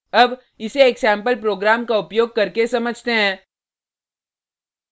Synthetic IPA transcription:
ɐb | ɪseːksɛ̃ːmpəlpɾoːɡɾaːmkaʊpjoːɡ̚kɐɾkesɐməd͡ʒʱt̪eɦɛ̃ː

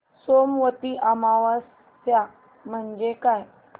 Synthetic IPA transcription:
somʋət̪iʔamaʋasː | ja | m̤əɳd͡ʑekaj

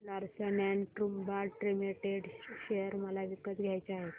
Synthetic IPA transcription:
laɾsənɛnʈɾumbaɾʈɾimeʈeɖɕejəɾməlaʋikːət̪ɡʱjajt͡ɕeaɦe

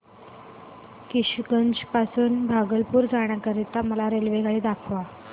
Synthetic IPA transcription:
kiɕɡənd͡ʑpasuːnbʱaɡəlpuːɾd͡zaɽ̃jakəɾit̪aməlaɾelʋeɡʱaɭiːd̪akʰʋa

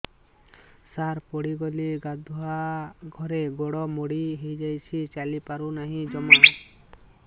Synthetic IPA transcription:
saɾpoɽiɡoliɡad̪ʱuɦaɡʱɔɾeɡoɽɔmoɽiɦejd͡ʒajt͡ʃʰit͡ʃalipaɾunaɦĩd͡ʒɔma

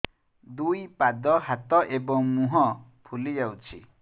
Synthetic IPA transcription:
d̪ujpad̪ɔhat̪ɔʔebɔŋmuɦɔ | pʰulid͡ʒawt͡ʃʰi

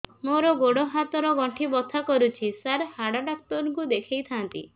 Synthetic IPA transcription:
moɾɔɡoɽɔɦat̪ɔɾɔɡɔɳʈʰibɔt̪ʰakɔɾut͡ʃʰisaɾhaɽɔɖak̚t̪ɔɾɔŋkud̪ekʰejt̪ʰant̪ḭ

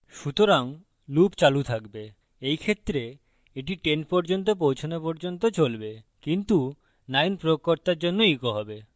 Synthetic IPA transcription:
ʃut̪oɾaŋ | lupt͡ɕalut̪ʰakbe | ejkʰet̪ːɾe | eʈiʈenʈpɔɾd͡ʑont̪opowt͡ɕʰonopoɾd͡ʑont̪̬ot͡ɕolbe | kint̪u | najnpɾookːoɾt̪aɾd͡ʑonːoikoɦɔbe

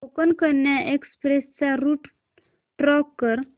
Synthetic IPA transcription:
okənkəɾɳjaʔekspɾest͡saɾuʈ | ʈɾɔkːəɾ

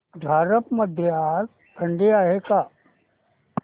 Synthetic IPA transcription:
d̪ʱaːɾəpmɐd̪ʱjaːt | t̪ʰɐɳɖiaːɦekaː

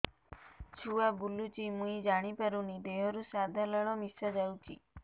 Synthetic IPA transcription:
t͡ʃʰuabulːut͡ʃimũid͡ʒaɽ̃ipəɾunid̪eɦɔɾusad̪ʱaləɭ̃ɔmisad͡ʒawt͡ʃḭ

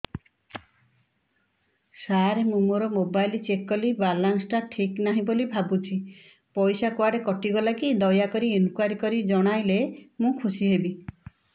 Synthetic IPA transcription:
saɾemũmuɾɔmobajlt͡ʃekɔlibalansʈaʈʰiknaɦĩbolibʱabut͡ʃʰi | pɔjsakwaɖekɔʈiɡɔlakid̪ɔjakɔɾienukwaɾikɔɾid͡ʒɔɽ̃ajlemũkʰusiɦebi

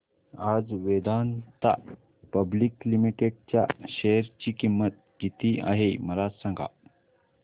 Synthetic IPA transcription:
ad͡zʋed̪ant̪a̰ | pəbliklimiʈeɖ̚t͡ɕja̰ɕeɾt͡ɕiːkimːət̪̚ɡit̪ia̰ɦeməlasə̃ŋɡʱa̰

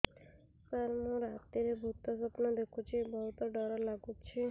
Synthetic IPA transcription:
saɾmũɾat̪iɾebʱut̪ɔsɔpnɔd̪ekʰũt͡ʃʰibɔɦut̪ɔɖɔɾalaɡut͡ʃʰi

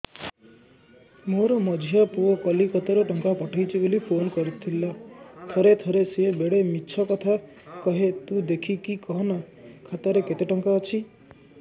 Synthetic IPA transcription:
moɾɔmɔd͡ʒʱjapuɔkɔlikɔt̪ɔɾɔʈɔŋkapɔʈʰajt͡ʃʰibolipʰonkɔɾit̪ʰilat̪ʰɔɾet̪ʰɔɾesebeɽemiːʃʰɔkɔt̪ʰa | kɔɦet̪ud̪ekʰikikɔɦɔna | kʰat̪ɔɾeket̪eʈɔŋkaɔt͡ʃʰi

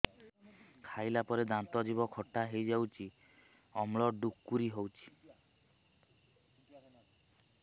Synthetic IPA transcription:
kʰajlapɔɾed̪ant̪ɔd͡ʒibɔkʰɔʈːaɦejd͡ʒawt͡ʃʰi | ɔmɭɔɖukːuɾiɦowt͡ʃʰi̥

